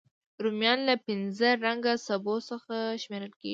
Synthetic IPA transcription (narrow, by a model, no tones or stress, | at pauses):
ɾumjɑnlapɪnzəɾaŋɡasabosəxaʃmeɾəlkḛɡi